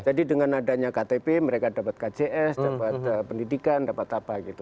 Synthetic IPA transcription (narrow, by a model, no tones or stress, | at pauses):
d͡ʒadidəŋanadaɲakat̪epeməɾekadapat̪̚kad͡ʒeʔɛsdapat̪̚pəndidikandapat̪apaɡit̪u